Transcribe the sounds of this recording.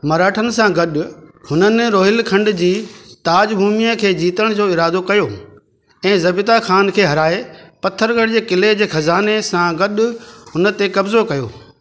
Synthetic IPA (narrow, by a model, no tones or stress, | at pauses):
mɐɾaːʈʰənɪ̆sãɡɐɗʊhʊnənɪɾoːɦɪlkʰɐ̃ɳɖd͡ʑiːt̪aːd͡ʑbʱuːmijəkʰeːd͡ʑiːt̪əɽ̃d͡ʑoːɪɾaːd̪okɐjoː | ɛ̃ːzɐbɪt̪axaːnkʰeːɦɐɾaːepɐt̪ʰːəɾɡɐɽd͡ʑeːkɪled͡ʑeːxɐzaːnesãɡɐɗʊɦʊnə̆t̪ekɐbzokɐjo̰ː